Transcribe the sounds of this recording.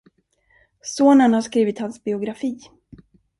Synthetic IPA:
soːnənhaʂkɾiːvɪt̪hansbɪʊɡɾafiː

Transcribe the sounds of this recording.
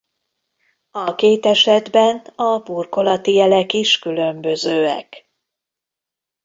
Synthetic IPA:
ɒkeːt̪ɛʃɛd̪bɛnɒburko̞lɒt̪ijɛlɛkiʃkylø̞mbøzøːɛ̰k

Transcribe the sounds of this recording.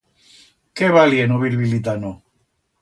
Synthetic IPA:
keβaljenoβiɾβilit̪̬ano

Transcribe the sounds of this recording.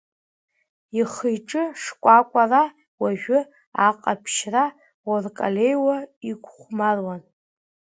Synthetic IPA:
iχəjʈ͡ʂʼɨʂkʷʼakʷʼara | waʒᶣʊ | aqʼapʰʃra | workʼalejwaikʷʰʼχʷmarwan

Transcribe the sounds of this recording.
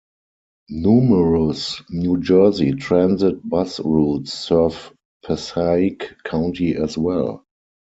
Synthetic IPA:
njuːməɹosnjud͡ʒɜ˞zitʰɹɛ̃nzɪt̚basɹuːtsːɜ˞v | pʰɛsaɪkʰːãʊ̃ntiɛswɛl

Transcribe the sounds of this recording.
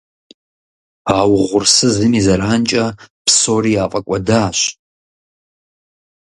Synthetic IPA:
aːwʁʷʊrsɨzɨmizɐɾaːnt͡ʃʼɐpʰsoriaːqʼɐkʷʼɐdaːʃ

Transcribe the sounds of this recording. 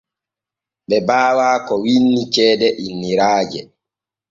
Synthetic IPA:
ɓɛbaːwaːkɔwinːit͡ʃɛːdɛʔinːiɾaːd͡ʒɛ

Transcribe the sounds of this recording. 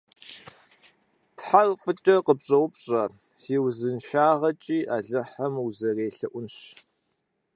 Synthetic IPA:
tħarfʼɨt͡ʃʼɐqəpɕʼɐwpɕʼɐ | siːwzɨnʃaːʁɐt͡ʃʼiːʔaːɮɨħɐmuzɐreːɬɐʔʷʊnɕ

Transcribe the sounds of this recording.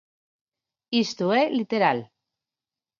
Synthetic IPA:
ist̪uelit̪eɾal

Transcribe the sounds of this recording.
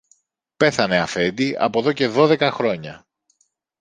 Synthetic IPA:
pe̞θɐne̞ɐfe̞d̪iʔɐ̰po̞ðo̞ce̞ðo̞ðe̞kɐxɾo̞ɲɐ

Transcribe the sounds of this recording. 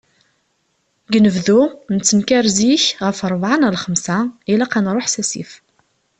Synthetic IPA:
ɡnəvðunət͡sːənkæɾziçʁəfəɾˤvʕanəlχəmsailaqanɾˤoħsæsḭf

